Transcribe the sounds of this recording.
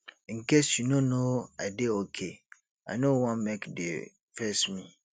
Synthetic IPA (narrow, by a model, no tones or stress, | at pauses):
ŋ̩kesjunõnoa̰ɪdeokʰe | anõwɔ̃nmekdḛ | fɛsmĩ